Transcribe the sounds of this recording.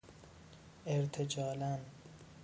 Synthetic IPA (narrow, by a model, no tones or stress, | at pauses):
eɾt̪ʰed͡ʒɒːlæn